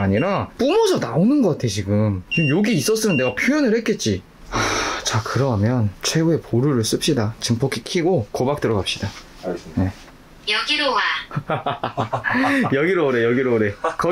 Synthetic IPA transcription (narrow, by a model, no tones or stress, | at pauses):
aɲiɾap͈umʌd͡ʑʰʌnaonɯnɡʌk͈atʰe̞t͡ɕiɡɯmkɯjoɡiːs͈ʌs͈ɯmɯnde̞ɡapʰjojʌnɯɭhe̞t̚k͈e̞t̚t͡ɕ͈i | at͡ɕakɯɾʌmjʌnt͡ɕʰe̞ɡue̞pʰoɾuɾɯɭs͈ɯp̚ɕ͈idat͡ɕɯmpʰʌkʰikʰiɡokobak̚t͈ɯɾʌɡap̚ɕ͈ida | je̞ | jʌɡiɾowa | jʌɡiɾoːɾejʌɡiɾoɾe̞kʌ